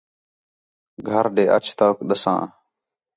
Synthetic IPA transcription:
ɡʱəɾɖeːʔət͡ʃʰt̪əːkɗəsã̰ː

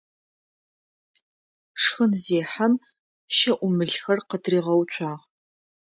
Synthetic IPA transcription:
ʂxɨnzeːħam | ʃɐʔʷʊmɨɮxɐrqədriːʁɐwt͡ʃʷʰʼaːʁ

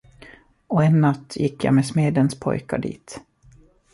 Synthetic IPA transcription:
ɔɛnːat̪ːjɪkːja̰ːmesmeːd̪ənspʰɔ̰jkaɖḭːt̪

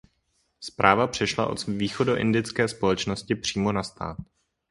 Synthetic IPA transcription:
spɾʔaːvapr̝̥ɛʃla̰ʔo̞̰t̪viːxo̞do̞ʔɪndɪt͡skɛːspo̞lɛt͡ʃnoscɪpr̝̥iːmo̞nast̪a̰ːt̪̚

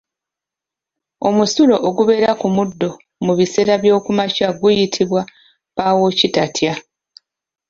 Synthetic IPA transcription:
o̞musulo̞ʔoɡuβe̞ːɾakumudːo̞ | muβise̞ːɾaβjo̞ːkumacaɡujitʰiβwa | paːwo̞citatʰja

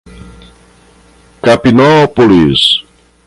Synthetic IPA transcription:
kapinɔpolis

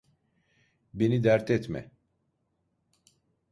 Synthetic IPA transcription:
benid̪æɾt̪ʰɛt̪mɛ̰

